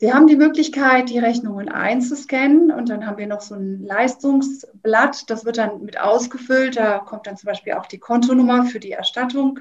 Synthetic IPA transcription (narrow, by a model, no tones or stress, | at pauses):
viːɐhaːbm̩diːmøːklɪçkʰaɪt̚d̥iːʁɛçnʊŋənʔa̰ɪnt͡suskɛnənʊ̰nt̚d̥anɦaːbm̩viːɐnɔχz̥oːnlaɪstʊŋsb̥latd̥asv̥ɪɐt̚d̥anmɪtʔa̰ʊsɡ̥əfʏltd̥aːkʰɔmt̚d̥ant͡sʊmbaɪʃpiːlʔa̰ʊxd̥iːkʰɔntonʊmɐfyːɐdiːɛ̰ɐʃtatʊŋ